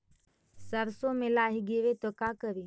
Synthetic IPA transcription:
səɾsomelaːɦiɡeʋet̪okaːkəʋi

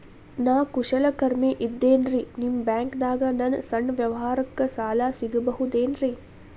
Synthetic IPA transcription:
naːkuʃɐlɐkɐɾmeʔid̪ːeːnɾinimbjaːŋkd̪aːɡɐnɐnsɐɳːʋjɐʋɐɦaːɾɐkːɐsaːlaːsiɡibɐɦud̪eːnɾi

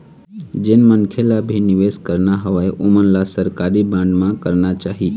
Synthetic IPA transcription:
d͡ʒenmənkʰelabʱiniʋeskəɾnaɦəʋaeʔomənlasəɾkaɾibãɳɖmãkəɾnat͡ʃaɦi

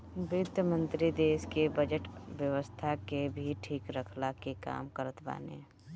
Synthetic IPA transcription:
bjʊd̪jəmə̃nt̪ɾid̪eːskebɐd͡ʒəʈʋjəʋəst̪ʰakebʱiʈʰiːkɾəkʰlakeka̰ːmkəɾət̪ba̰ːnḛ̃ː

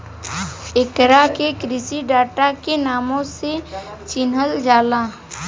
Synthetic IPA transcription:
ekɾakekɾɪsiɖaːʈakenaːmõset͡ʃɪnɦəld͡ʒaːlaː

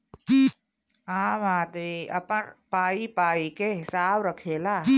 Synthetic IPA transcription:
aːmaːd̪eʔɐ̰pənpaːipaːikeɦɪsaːbɾɐkʰeːlaː

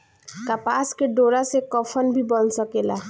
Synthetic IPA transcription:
kapaːskeɖoːɾasekɔfʰənbʱibənsəkeːla

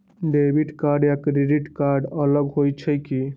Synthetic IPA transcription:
ɖebʱiʈkaɾɖjakɾeɖiʈkaɾɖələɡɦojt͡ʃʰəjki

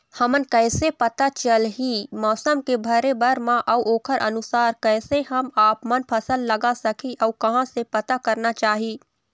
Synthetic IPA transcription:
hɐmənkɛːsepɐt̪at͡ʃəlɦimɔːsəmkebʱɐɾebəɾmãʔɐwʔoːkʰəɾʔɐ̰nʊsaːɾkɛːseɦɐmaːpmənpʰɐsəlːɐɡasɐkʰiʔɔːkɐɦãsepɐt̪akɐɾnat͡ʃaːɦiː

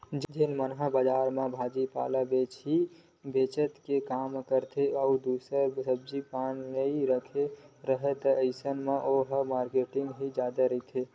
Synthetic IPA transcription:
d͡ʒd͡ʒeːnmənɦabəd͡ʒaːɾmẽbʱaːd͡ʒipa̰ːlabeːt͡ʃɦi | beːt͡ʃət̪kekaːmkəɾt̪ʰeɔud̪uːsəɾsəb̚d͡ʒipaːnnəiɾəkʰeɾəɦɛt̪əəɪsənmẽʔoɦəmaːɾkeːʈɪ̃ŋɡɦid͡ʒaːd̪aɾəit̪ʰe

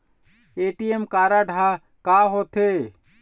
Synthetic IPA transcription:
eʈiemkaɾaɖʱa | kaɦot̪ʰe

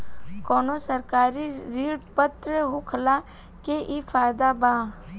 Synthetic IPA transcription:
kɔːnosəɾkaːɾiɾiːɽpət̪ɾəɦʊkʰəla | keʔifʰaːjd̪abaː

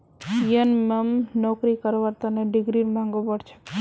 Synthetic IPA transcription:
jənməmnokɾikəɾʋaɾt̪əneɖɪɡɾinmãŋɡopəɽt͡ʃʰe̥

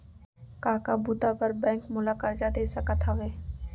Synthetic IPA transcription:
kaːkabʊd̪apəɾbɛ̃ːŋkmʊlaːkəɾd͡ʒad̪eːsəkət̪aʋeː

